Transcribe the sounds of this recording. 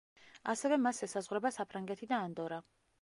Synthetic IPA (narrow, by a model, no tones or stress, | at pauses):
asɛvɛmasɛsazʁwɾɛbasapʰɾaŋɡɛt̪ʰid̪aːnd̪ɔɾa